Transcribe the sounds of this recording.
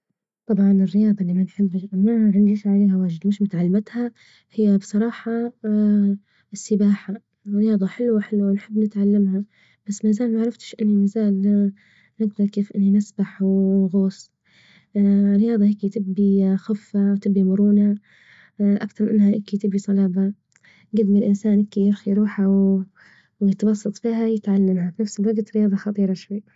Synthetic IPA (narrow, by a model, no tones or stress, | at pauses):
t̪ˤɑbʕɑnɪrːɪjɑːd̪ˤɑʔlːiːmanħɪbːmaʕɪnd̪iɪʃʕaleːɦawaːʒɪd̪mɪʃmʊt̪ʕalːmat̪ha | hɪjːabsˤɑɾˤɑːħɑ | ɪsːɪbaːħa | rːɪjɑːd̪ˤɑħɪlːwaħɪlwawnħɪbːnɪt̪ʕalːamha | b̥asːmaːzaːlmaʕɾˤɑft̪ɪ̥ʃʔɪnːimaːzaːl | nɪɡd̪ɑɾˤkeːfʔɪnːinɪsbaħɣoːs | ɾɪjɑːðˤɑheːkit̪ɪbːixʊfːawt̪ɪbːimʊɾuːna | ʔakt̪ɑɾˤmʔɪnːhaʔɪkit̪ɪbisˤɑlɑːba | ɡɪd̪mɪlʔɪnsaːnʔɪkijɪɾxiɾˤuːħaw | wjɪt̪bɑsˤːɑt̪ˤfiːhajɪt̪ʕalːamhabnafsɪlwɑɡat̪ɾɪjɑːðˤɑxɑt̪ˤiːɾˤɑʃwajː